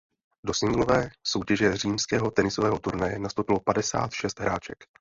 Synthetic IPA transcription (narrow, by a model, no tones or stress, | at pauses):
do̞sɪŋɡlo̞vɛːso̞wcɛʒɛr̝iːmskɛːɦo̞t̪ɛnɪsovɛːɦo̞t̪uɾnajɛnast̪owpɪlo̞padɛsa̰ːt̪ʃɛst̪ɦɾaːt͡ʃɛ̰k